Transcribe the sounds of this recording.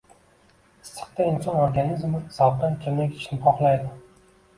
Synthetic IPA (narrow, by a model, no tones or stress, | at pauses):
ɪst̪ʰːɨ̥qt̪aɪnsonoɾɡanizmɪzawt̪ankʲʰɪnakʲɪ̥t͡ʃnɪpʰɒχlˠajd̪ɪ